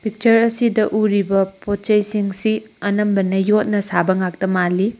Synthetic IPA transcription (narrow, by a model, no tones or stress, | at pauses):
pik̚t͡ʃɐɾɐsidɐʔuɾibɐpot̚t͡ʃɐjsiŋsiɐnɐmbɐnɐjot̚nɐsabɐŋak̚tɐmali